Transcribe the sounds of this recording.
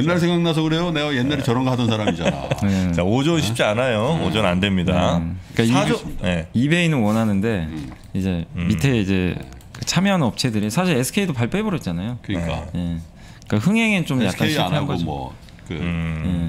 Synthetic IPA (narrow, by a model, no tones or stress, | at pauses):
jenːaɭsʰeŋɡaŋnas̬ʰʌɡɯɾe̞jone̞ɡajenːaɾet͡ɕʌɾʌnɡʌɦadʌnsʰaɾamid͡ʑana̰et͡ɕaod͡ʑonɕʰi̥p̚t͡ɕ͈ianajood͡ʑʌnandwe̞mɲidak͈aioijeibe̞inɯnwʌnɦanɯnde̞ | id͡ʑe̞mitʰe̞id͡ʑe̞ | kɯt͡ɕʰamjʌɦanʌp̚t͡ɕʰe̞dɯɾisʰaɕʰiɾe̞sʰɯ̥kʰe̞idopaɭp͈ebʌɾʌt̚t͡ɕ͈anajokɯɲik͈a̰je̞ | k͈ahɯŋɦeŋet͡ɕomjak͈aniaakneanɡoʌ̰ | kɯje̞